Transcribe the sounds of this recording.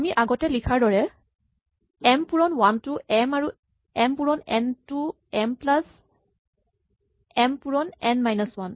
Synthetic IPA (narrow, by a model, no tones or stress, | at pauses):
amiʔaɡɔtɛlikʰaɹdɔɹɛ | ɛmpuɹɔnwantuʔɛmaɹu | ɛmpuɹɔnɛ̰ntu | ɛmplas | ɛmpuɹɔnɛnmajnɔswan